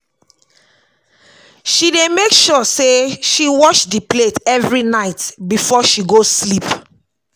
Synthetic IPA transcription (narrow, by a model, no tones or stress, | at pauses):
ʃidemekʃɔseʃiwɔʃdipletɛvɹinaɪtbifɔʃiɡoslip